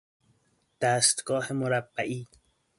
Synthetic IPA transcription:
d̪̥æːst̪ɡɒːhemʊɾabːæʔiː

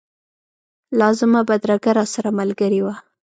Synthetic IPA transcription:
lɑzɪmabad̪ɾaɡaɾɑsaɾamalɡəɾiwa

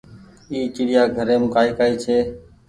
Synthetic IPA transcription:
iːt͡ʃɪɽɪjaːɡʱəɾẽːmʊkaːiːkaːiːt͡ʃʰeː

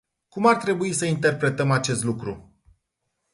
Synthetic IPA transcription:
kumart̪ɾe̞buisəint̪e̞rpɾe̞t̪əmat͡ʃe̞st̪lukɾṵ

